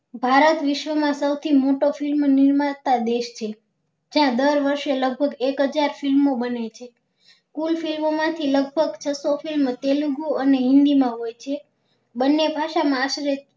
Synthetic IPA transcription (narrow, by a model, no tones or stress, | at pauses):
bʱaɾət̪ʋiʃʋəmãsəwt̪ʰimoʈofilmnɪɾmat̪ad̪eʃt͡ʃʰe | d͡ʒãd̪əɾʋəɾʃeləɡ̚bʱəɡekɦəd͡ʒaɾfilmobənet͡ʃʰe | kulfilmomãt̪ʰiləɡ̚bʱəɡt͡ʃʰəsofilmt̪eluɡuəneɦɪ̃nd̪imãɦojt͡ʃʰe | bənːebʱaʃamãːʃɾet̪